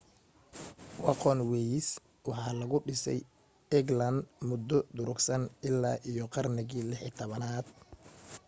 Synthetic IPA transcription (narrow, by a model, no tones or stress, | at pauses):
wɑqɔnwɛjs | wɑħɑːlɐɣʊɖɪsɛ̰j | ɛɡlɐnd̪mʊd̪ːɔd̪ʊɾʊɡsɐnɪlːaːʔijɔqɑrnɪɣiːlɪħiːt̪ʰɔβɐnaːd̪̥̚